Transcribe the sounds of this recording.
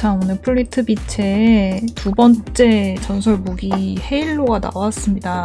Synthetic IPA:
t͡ɕʰaŋonɯɭpʰɯɭːitʰɯbit͡ɕʰetubʌnt͡ɕ͈e̞t͡ɕʌnsʰʌɭmoɡihe̞iɭːoɡana̰was͈ɯmɲida

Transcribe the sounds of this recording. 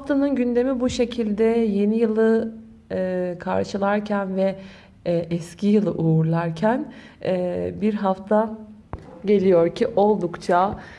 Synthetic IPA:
haft̪ʰanɯnɟynd̪e̞mibuʃe̞cʰilʲd̪ɛje̞nijɯlˠɯː | kʰa̰ɾʃɯlˠaɾcʰænvɛ | ʔɛscʰijɯlˠɯʔuːɾlˠaɾcʰæn | ɛbiɾɦaft̪ʰa | ɟe̞lʲijo̞ɾcʰiʔo̞lˠd̪ukt͡ʃʰa

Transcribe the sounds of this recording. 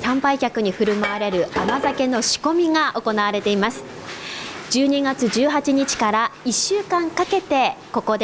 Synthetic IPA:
sãmpaikʲakɯ̟ɲ̟iɸɯ̟ɾɯ̟maβaɾe̞ɾɯ̟amazake̞no̞ɕi̥ko̞mʲiɡaʔo̞ko̞naβaɾe̞t̪e̞imasɨ̥ | d͡ʑɨːɲ̟iɡat͡sɨd͡ʑɨːɦat͡ɕiɲ̟it͡ɕi̥kaɾaiɕːɨːkãŋkake̞t̪e̞ko̞ko̞d̪

